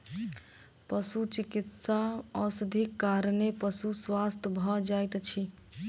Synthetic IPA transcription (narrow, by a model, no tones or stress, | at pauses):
pəsut͡ʃikit̪saɔsəd̪ʱikːaɾnepəsuswast̪ʰbʱɔd͡ʒajt̪t͡ʃʰi